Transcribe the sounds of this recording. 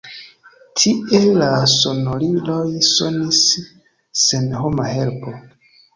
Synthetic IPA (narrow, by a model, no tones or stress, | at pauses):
tʰiʔe̞laso̞nolilojso̞nisː | enɦo̞mahe̞lpo̞